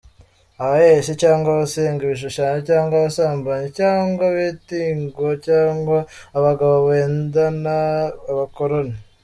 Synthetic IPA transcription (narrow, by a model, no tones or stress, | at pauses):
aβajeʃecaːŋɡwaβase̞ːŋɡiβiʃ̬uʃanacaːŋɡwaβasaːmbaɲecaːŋɡwaβeːtiːŋɡocaːŋɡwaːβaɡaβoβeːndanaːβako̞ɾona